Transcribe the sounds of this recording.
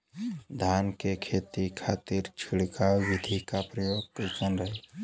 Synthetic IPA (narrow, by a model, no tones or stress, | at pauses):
d̪ʱaːnkekʰeːt̪ikʰaːt̪iɾt͡ʃʰiɽkawɪd̪ʱikapɾəjoɡ̚kəkənɾəɦi